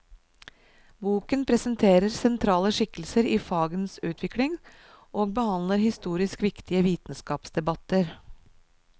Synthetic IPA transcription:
buːkənpʰɾɛsənt̪ʰeːɾəɾsɛnt̪ʰɾɑːləʂɪkːəlsəɾiːfɑːɡənsʉːt̪ʰʋɪklɪŋ | ʔoːɡ̚bəhɑnləɾhɪst̪uːɾɪskʋɪkt̪ɪəʋiːt̪n̩skɑːpsd̪ɛbɑt̪ːəɾ

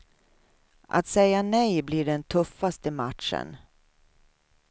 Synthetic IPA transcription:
ʔa̰t̪sɛjanɛjbliɖɛnt̪ʰɵfːast̪əmat̪ʂə̰n

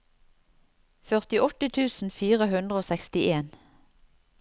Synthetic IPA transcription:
fœʁt̪ɪʔɔt̪ət̪ʰʉːsn̩fiːʁəhʉnd̪ʁəoːsɛkst̪ɪʔeːn

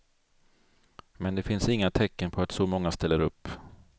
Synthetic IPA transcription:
mɛnd̪ɛfɪnsɪŋːat̪ʰɛkːənpʰɔat̪sɔmɔŋːast̪ɛlːəɾɵpː

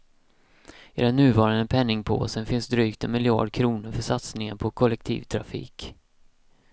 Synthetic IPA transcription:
ɪɾɛnʉ̟ːvɑːɾanəpʰɛnːɪŋpʰo̰ːsənfɪnsd̪ɾyːkt̪ʰɛnmɪljɑ̰ːɖkʰɾuːnʊɾfœʂat̪snɪŋənpʰɔkʰɔlːɛk̚t̪ʰḭːvt̪ʰɾafḭːk

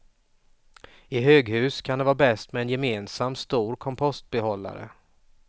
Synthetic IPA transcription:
ɪɦøːɡhʉ̟ːskʰand̪ɛvɑːbɛst̪mɛɛnjɛmeːnsamst̪uːɾkʰɔmpʰɔst̪̚bɛɦɔlːa̰ɾə̰

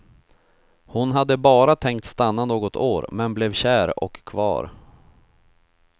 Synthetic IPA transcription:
hʊnɦad̪ːəbɑːɾat̪ʰɛŋk̚t̪st̪anːanoːɡɔt̪ʰoːɾmɛnblɛvɕæːɾɔ̰kʰːvɑ̰ːɾ

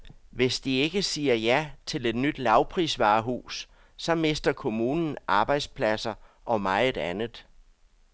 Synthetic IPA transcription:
ʋe̝sd̥ie̝ɡ̥əsiːɐjæt͡sʰe̝le̝d̥nyd̥lɑ̈ʊpʰʁḭːsʋɑ̰̈ːɦṵːs | sɒ̽me̝sd̥ɐkʰo̝muːnn̩ʔɑ̈ːb̥ɑ̈ɪd̥spʰlæsɐ | ʔɒ̽mɑ̈ɪdˠænð̩ˠ

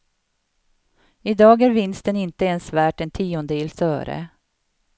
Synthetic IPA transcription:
ɪd̪ɑːɡæɾvɪnst̪ənɪnt̪əɛnsvæːʈɛnt̪ʰiːɔnd̪əɪlsœ̰ːɾə̰

